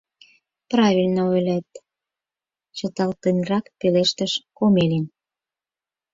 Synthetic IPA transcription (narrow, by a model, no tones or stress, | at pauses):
prɑβilʲnəojlʲæt̪ | t͡ɕə̆t̪ɑlt̪enrɑkpeleʃt̪ə̆ʃkomelen